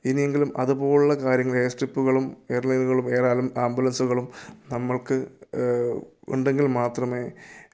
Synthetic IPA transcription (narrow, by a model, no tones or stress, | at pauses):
inije̞ŋɡilumʔɐðupo̞ːɭuɭːɐkaːɾjɐŋːɐɭeːsʈripːuɣɐɭumeːɐrlɐjnuɣɐɭume̞ːraːlumaːmbulɐnsuɣɐɭumnɐmːɐɭkɨ | ṵɳɖe̞ŋɡilmaːt̪rɐme̞ː